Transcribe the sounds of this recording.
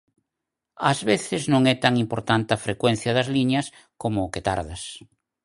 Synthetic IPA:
ɐzβeθɪznõŋɛt̪aŋimpoɾt̪ant̪afɾekwɛn̟θjɐðɐzliɲɐs | komʊːket̪a̰ɾðas

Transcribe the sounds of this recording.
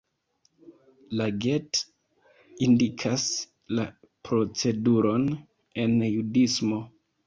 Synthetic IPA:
laɡe̞t | indikʰas | la | pɾo̞t͡se̞duɾo̞n | e̞njudismo̞

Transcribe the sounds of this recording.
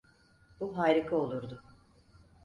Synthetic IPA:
buɦaːɾikʰao̞lˠuɾd̪ʊ

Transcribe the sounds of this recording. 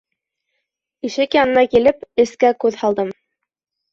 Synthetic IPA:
iʃɘkjɑnɤ̆nɑkilɘpɘ̆skækʉðhɑlˠd̪ɤm

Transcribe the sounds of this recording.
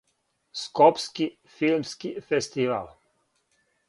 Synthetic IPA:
skopski | filmskifest̪iʋa̰l

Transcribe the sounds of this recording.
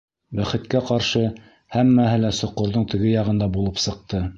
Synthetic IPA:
bæχɘ̆t̪kæqɑɾʃɤ | hæmːæhɘlæsŏqːŏɾðɤɴt̪ɘ̆ɡɘjɑʁɤ̆nd̪ɑbulˠɤpsɤ̆q̚t̪ɤ

